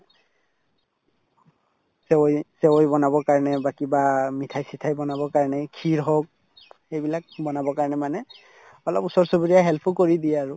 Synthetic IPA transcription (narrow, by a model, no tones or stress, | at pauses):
sewojsɛwojbɔnabɔkaɹɔnɛbakibamitʰajsitʰajbɔnabɔkaɹɔnɛkʰiɹɦɔk̚ | xejbilak̚bɔnabɔkaɹnɛmanɛ | ɔlɔpusɔɹsubiɹijaɦɛlpʰʊkoɹidijɛaɹʊ